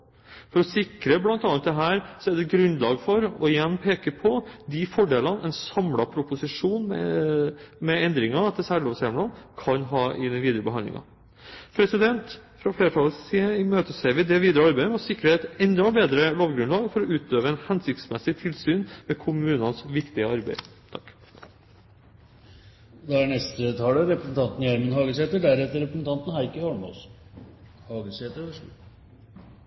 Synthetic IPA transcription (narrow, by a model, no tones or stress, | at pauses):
fɔɾɔsɪkɾəblɑnt̪ɑːnt̪d̪ɛɦæːɾsɔɛɖɛɡɾʉnlɑːɡfɔɾɔɪjɛnːpʰeːkəpʰɔd̪ifɔɖeːlɑnɛɪnsɑmlɑpʰɾʊpʊsɪʂuːnmɛ̰ | mɛɛnd̪ɾɪŋɑɑt̪ɛsæːloːʋsɛmlɑnkʰɑnɦɑːʔɪd̪ɛnʋiːd̪əɾəbəɦɑnlɪ̰ŋɑ̰ | pʰɾɛsɪd̪ɛnt̪fɾɑfleːɾət̪ʰɑlsiːəɪmøːt̪əsæʋɪd̪ɛʋiːd̪əɾəɑɾbæɪmɛɔsɪkːɾəɛt̪ɛnd̪oːbeːd̪ɾəloːɡɡɾʉnlɑːɡfɔɾɔʉːt̪øːʋəɛnhɛnsɪkt̪smɛsɪt̪ʰɪlsyːnmɛːkʰʊmʉːnɑnsʋɪkt̪ɪəɑɾbæ̰ɪt̪ʰɑkː | d̪ɑæɳɛst̪ət̪ʰɑːləɾɛpɾəsn̩t̪ɑnt̪n̩jæɾmənɦɑːɡəseːt̪əɖæɾɛt̪ːəɾɛpɾəsnt̪ʰɑnt̪n̩hɑɪkəhɔɳɔ̰s | hɑːɡəseːt̪əɾ